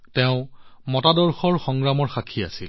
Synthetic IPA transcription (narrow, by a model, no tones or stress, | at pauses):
tɛʊ̃mɔtadɔɹxɔɹxɔŋɹamɔɹxakʰia̰sil